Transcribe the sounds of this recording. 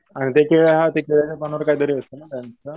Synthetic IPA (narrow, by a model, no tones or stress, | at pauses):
aɽ̃it̪ekeɭjaɦat̪ekeɭjat͡ɕjapañʋəɾkaid̪əɾiəst̪ənat̪jant͡sə